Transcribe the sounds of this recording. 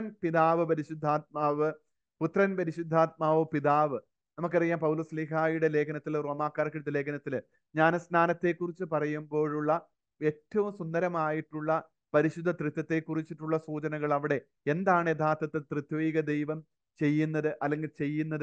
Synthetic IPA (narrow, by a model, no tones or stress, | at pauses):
ɐnpiðaːʋɨpɐɾiɕud̪ʱːaːt̪̚maːʋɨ | put̪rɐnpɐɾiɕud̪ʱːaːt̪̚maːʋɨpiðaːʋɨ | nɐmuk̬ːɐrijːaːmpɐwloslikaːjuɽe̞le̞ːkʰɐnɐt̪ːilro̞ːmaːkːaːɾkːiɽɽɐle̞ːkʰɐnɐt̪ːil | ɲaːnsnaːnɐt̪ːe̞kːurit͡ɕːɨpɐrɐjumbo̞ːɻuɭːɐ | e̞tːɐʋumsund̪ɐɾɐmaːjiʈːuɭːɐ | pɐɾiɕud̪ʱːɐt̪rɨt̪ːjɐt̪ːe̞kːurit͡ɕːiʈːuɭːɐsuːt͡ɕɐnɐɣɐɭɐʋiɽe̞ | end̪aːɳed̪ʱaːt̪ːɐt̪ːɨt̪rid̪ʋiːɡɐd̪ejʋɐm | t͡ɕe̞jːunːɐðɨʔɐlːe̞ŋɡilt͡ɕe̞jːunːɐðɨ